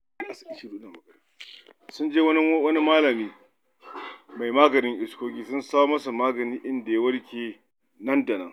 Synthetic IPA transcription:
ʔa˨sa˨ɪ˦ʃi˦duː˦nɐ˨bɐ˨ɡɐ˨˦ | sʊ˦nd͡ʒeː˦wɐ˦n˦wɐ˦ni˦maː˦lɐ˨miː˦ | ma˨jmaː˦ɡɐ˨nɪ˦ŋʔɪ˨skʷoː˦kʲiː˦sʊ˦nsaː˦wmɐ˦su˨maː˦ɡɐ˨niː˦ʔɪ˦nda˨ja˦wɐ˦ɽkʲeː˨ | nɐ˦nda˨nɐ˦ŋ

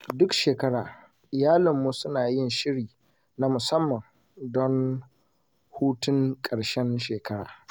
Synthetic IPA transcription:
dʊ˦kʃeː˨kɐ˦ɽaː˨ | ʔɪ˨jaː˦lɪ˨mːu˦sʊ˦naː˨jɪ˦nʃɪ˦ɽiː˨ | na˦mʊ˨sɐ˦mːɐ˨ŋ | dɔ˦n | huː˦tʊ˦ŋkʼɐ˨ɽʃɛ˦nʃeː˨kɐ˦ɽa̰ː˨

